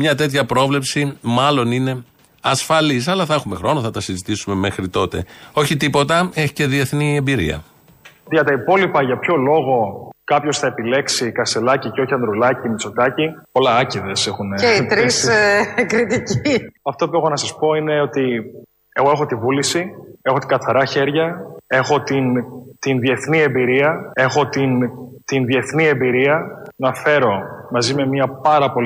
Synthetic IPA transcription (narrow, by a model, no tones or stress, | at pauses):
mɲɐt̪e̞t̪çɐpɾo̞vle̞psimɐlo̞nine̞ | ɐsfɐlis̬ɐlɐθɐe̞xume̞xɾo̞nɐθɐt̪ɐsizit̪isume̞mexɾit̪o̞t̪e̞̰o̞çit̪ipo̞t̪ɐe̞çi̥ce̞ðie̞θniembiɾḭɐ̰ | ʝɐt̪ɐipo̞lipɐʝɐpço̞lo̞ɣo̞kɐpço̞sθɐe̞pile̞ksikɐst̪e̞lɐciceo̞çiɐnd̪ɾulɐcimit͡so̞t̪ɐci | olɐɐciðesexuneit̪ɾiskɾit̪iciɐft̪o̞pue̞xo̞nɐsɐspo̞ine̞o̞t̪i | e̞ɣo̞exo̞t̪ivulisie̞xo̞t̪iɡɐθɐɾɐçe̞ɾʝɐe̞xo̞t̪int̪inðie̞θnie̞mbiɾiɐe̞xo̞t̪int̪inðie̞θnie̞mbiɾiɐnɐfe̞ɾo̞mɐzime̞miɐpɐɾɐpo̞l